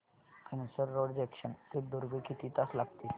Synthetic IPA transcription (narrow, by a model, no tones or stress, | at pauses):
kənisəɾːoɽd͡ʑekɕənt̪ek̚d̪uɾɡəkit̪iːt̪aslaɡt̪i